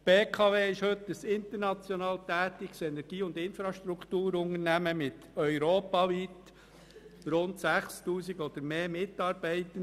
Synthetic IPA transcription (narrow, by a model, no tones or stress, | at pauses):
b̥eːkʰɑveːɪʃhɵtəsɪnt̪əɾnɑt͡sjɔnɑːlt̪æːtɪksɛnɛɾɡ̥iːʊndɪnfɾɑʃtɾukt̪uːɾʊŋəɾnæməmɪt̪œʏɾoːpɑʋit̪ | ɾʊnt̪sæχstuːsiɡɔd̪̥əɾmeːmɪt̪ːɑːɾb̥ɛɪtən